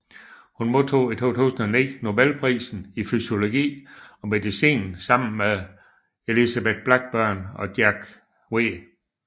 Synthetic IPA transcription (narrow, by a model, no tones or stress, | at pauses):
hunmo̝ðˠt͡sʰo̝̰ːit͡sʰo̝̰ːt͡sʰṵːsn̩ɒnid̥no̝belpʰʁḭːsn̩ifyso̝lo̝ɡ̥ḭːɒ̽me̝dˠisḭːnn̩sɑ̈m̰n̩meðˠ | e̝lisæb̥ed̥̚b̥lɑɡ̥̚b̥ɶɐ̰nɒ̽d̥jæɡ̥ | we̝